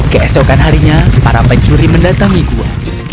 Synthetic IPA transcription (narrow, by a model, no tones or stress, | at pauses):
kəɛsokanɦaɾiɲapa̰ɾapɛɲt͡ʃuɾiməndat̪aŋikua̰